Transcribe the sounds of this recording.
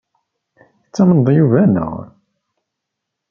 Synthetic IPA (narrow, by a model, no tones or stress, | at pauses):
t͡sːæmnðˤjuvænə̰ʁ